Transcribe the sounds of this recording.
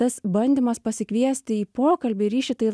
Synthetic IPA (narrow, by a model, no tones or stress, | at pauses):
ɐsbɐnʲd̪ʲɪmɐspɐsʲɪkʋʲiɛsʲt̪ʲɪiːpoːkɐlʲbʲɪɾʲiːʃʲɪt̪ɐɪ